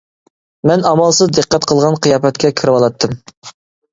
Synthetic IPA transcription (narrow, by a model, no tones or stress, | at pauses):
mɛnɑmɑlˠsɨzd̪ɨqːæt̪qʰəlˠʁɑnqʰijɑːpɛt̪̚kʲɛkʲʰiɾɪwɑlˠɑt̪ʰːɨm